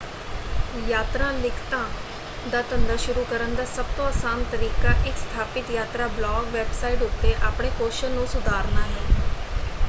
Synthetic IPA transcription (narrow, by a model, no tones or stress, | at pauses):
jaːt̪ɾãːlɪkʰt̪ãː | d̪aːt̪ənd̪aːʃʊɾuːkəɾənd̪aːsəb̚t̪õːaːsaːnt̪əɾiːkaːʔɪkst̪ʰaːpɪt̪jaːt̪ɾaːblɔːɡʋɛːbsaːiʈʊt̪ːeːʔaːpɳeːkoːʃəlnũːsʊd̪ʱaːɾnaːɦɛː